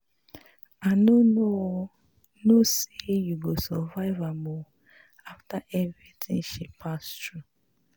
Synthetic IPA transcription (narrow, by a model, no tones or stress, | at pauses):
anoo | nosejuɡosɔvaɪvamɔ | aftaʔɛvɹitʰĩŋʃipʰastɹu